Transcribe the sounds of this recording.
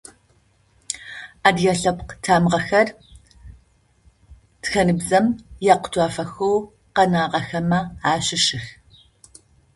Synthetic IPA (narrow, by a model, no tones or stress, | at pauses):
aːdjɛɬɐpqtʰaːmʁɐxɐr | txɐnɨbzɐmjaːqʷʊ̥tʰʷaːfɐxow | qɐnaːʁɐxɐmɐaːɕɪʂɪx